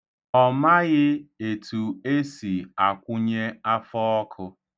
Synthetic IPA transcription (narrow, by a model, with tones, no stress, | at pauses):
ɔ˦˨ma˦ɣɪ˦e˨tʰu˨e˦si˨a˨kʷʊ˦ɲe˦a˦fɔ˦ɔ˦kʰʊ˦